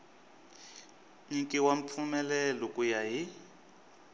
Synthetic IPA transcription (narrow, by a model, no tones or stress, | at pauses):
ɲiŋkʼiwamp̪fʰumɛlɛlɔkʼujaɦi